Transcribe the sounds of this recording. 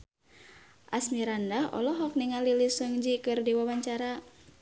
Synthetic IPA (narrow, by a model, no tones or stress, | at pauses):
ʔasmiɾandahɔ̰lɔɦɔk̚niŋalilisəŋd͡ʒikɨrdiwawaɲt͡ʃaɾa